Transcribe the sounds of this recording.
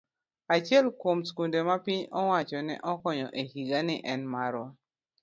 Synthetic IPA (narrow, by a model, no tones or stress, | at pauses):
at͡ʃɛlkomskundemapɪɲɔwat͡ʃɔnɛ̰ʔɔkɔɲɔʔehiɡanɪʔɛnmaɾɔ